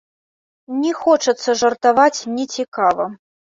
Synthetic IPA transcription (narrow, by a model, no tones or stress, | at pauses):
nʲɛxɔt͡ʂɐt̪sːɐʐɐrt̪avat͡sʲnʲit͡sʲikavɐ